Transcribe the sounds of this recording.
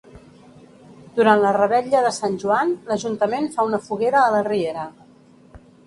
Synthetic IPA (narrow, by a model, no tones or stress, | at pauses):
d̪̥uɾanlərəβɛʎəðəsanʲʒuanləʒunt̪əmenfaunəfuɣeɾəːlərieɾə